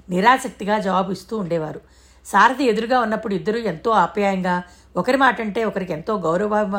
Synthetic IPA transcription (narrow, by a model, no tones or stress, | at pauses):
niɾaːsɐk̚t̪iɡaːd͡ʒɐʋaːbuist̪uːɳɖɛːʋaːɾu | saːɾɐd̪ie̞d̪uɾuɡaːunːɐpːuɽuid̪ːɐɾue̞nt̪o̞ːaːpjaːjɐŋɡaː | ɔkɐɾimaːʈɐɳʈe̞ːɔkɐɾike̞nt̪o̞ːɡɐwɾɐʋaː